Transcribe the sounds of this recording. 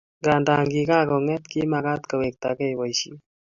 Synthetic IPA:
ɡa˨nda˨ŋɡi˨ka˦kɔ˨ŋɛ˦t̪ki˦ma˨ka˦t̪kə˨we˨k̚t̪a̰˨kɛ˦jwa˨jʃi˦

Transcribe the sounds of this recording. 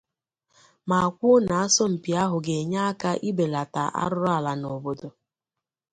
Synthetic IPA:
ma˨a˨kʷʊ˦na˨a˦sɔ˦m̩˨pi˨a˦ɦʊ˨ɡe˨ɲa˦a˦ka˦ʔi˦be˨la˨ta˨ʔa̰˦ɾʊ˦ɾa˦˨la˨nɔ˨bo˨do˨

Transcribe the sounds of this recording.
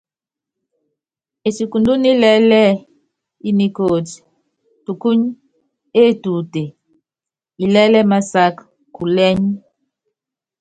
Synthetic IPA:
e˨si˨ku˨ndu˦ni˦lɛ˦lɛ˦˨ | i˦ni˨ko˨ti̥˨ | tu˨ku˦ɲ | e˦˨tu˨te˨ | i˨lɛ˦lɛ˦ma˦sa˦k | ku˨lɛ˦ɲ˦

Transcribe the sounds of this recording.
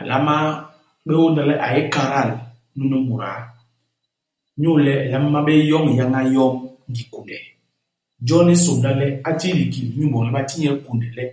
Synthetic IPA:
a˨la˦ma˦ | ɓɛ˦wo˦n˦da˦lɛ˦ʔa̰˨jɛ˦ka˨ɾa˦˨l | nu˦nɛ˦mu˨ɾa̰˨˦ | ɲu˦lɛ˦˨la˨˦mː˦a˦ɓɛ˦jɔ˦ŋ˨ja˦ŋa˦jɔ˦ŋŋ˦ɡi˨ku˨ndɛ˨ | d͡ʒɔ˦ni˦so˨nda˦lɛ˦a˦ti˦ɾi˨ki˨lɲu˦˨bɔ˨ɛ˨˦ɓa˦ti˦ɲɛ˦lku˨ndɛ˨lɛ˦

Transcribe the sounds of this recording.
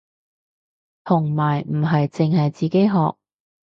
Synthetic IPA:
t̪ʰʊ˨˩ŋmaː˨˩jm̩˨˩ɦɐ˨jt͡sɪ˨ŋɦɐ˨jt͡siː˨˩ke˥jɦɔː˨˧k̚

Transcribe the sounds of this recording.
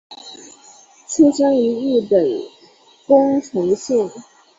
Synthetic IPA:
t͡s̩ʰ˥t͡ɕjɑ˥ŋy˧˥y˥˩pə˨˩n | kʊ˥ŋʈ͡ʂʰɤ˧˥ŋɕjɛ˥˩n

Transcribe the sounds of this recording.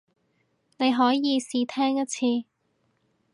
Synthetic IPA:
ne˨˧jɦɔː˨˥jiː˨˧siː˧t̪ʰɛː˥ŋjɐ˥t̚t͡sʰiː˧

